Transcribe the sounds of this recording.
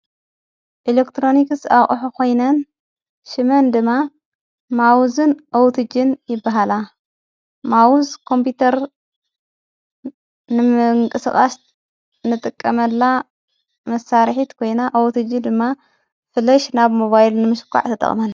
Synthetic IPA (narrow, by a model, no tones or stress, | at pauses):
ʔilekt̪ʰɾo̞niksaχʼħukʰo̞jnɐn | ʃɨmɐnd̪ɨmːa | mawzɨnʔowt̪ʰɨd͡ʒɨnjɪbːaɦala | mawuzkʰo̞mput̪ʰɐɾ | nɨɨŋkʼɨsɨχʼa̰s | nɨt̪ʼɨkʼːɐmɐlːa | mɐsaɾħit̪kʰo̞jnaʔowt̪ʰɨd͡ʒɨd̪ɨmːa | fɨlɐʃnaβmoβajlnɨmɨʃɨ̥kʷʰːa̰ʕt̪ʰɐt̪ʼɐ̰χʼmɐl